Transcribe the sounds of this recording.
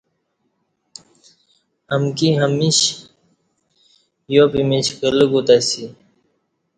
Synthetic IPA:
hɐmkiɦɐmiɕ | jopimiɕkələɡut̪asi

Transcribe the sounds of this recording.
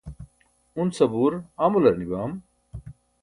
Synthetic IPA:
unsɐbuːɾaːmulɐɾnibaːm

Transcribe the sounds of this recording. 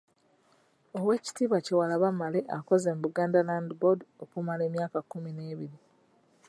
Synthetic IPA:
o̞we̞ːci̥tiːβace̞walaβamaleʔako̞zeːmbuɡaːndalandibodokumale̞ːmjaːkakːumine̞ːβiɾi

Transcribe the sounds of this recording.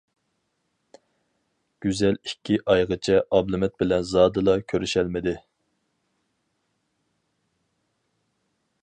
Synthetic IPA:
ɡ̥ʲyzɛlikʲʰːiʔɑjʁət͡ʃʰɛʔɑblˠɨmɛt̪̚bɪlɛnzɑːd̪ɨlˠɑkʲʰøɾyʃɛlmɪd̪ɪ

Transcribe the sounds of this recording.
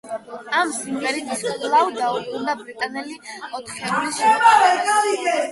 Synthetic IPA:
amsimvɛɾiɡ̪iskʰʼlˠawd̪auɾkund̪abɾit̪ʼanɛliɔt̪ʰχɛlisɡai

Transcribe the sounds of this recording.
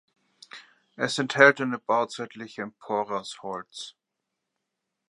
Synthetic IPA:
ʔɛsɛnthɛltanəb̥aʊt͡saɪtʰlɪçəɛmpʰɔːʁɐshɔlt͡s

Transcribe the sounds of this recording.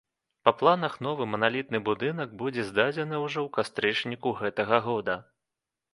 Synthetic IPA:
pɐplˠanɐxnɔvɨmɐnalʲit̪nɨbud̪ɨnɐɡbud͡zʲɛzd̪ad͡zʲɛnɨwʐɔwkast̪ɾɨt͡ʂnʲikuɣɛt̪ɐɣɐɣɔd̪ɐ

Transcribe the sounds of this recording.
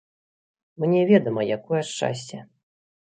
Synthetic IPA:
mɨnʲɛvʲɛd̪ɐmɐjakɔjɐʂt͡ʂa̰sʲt͡sʲɛ

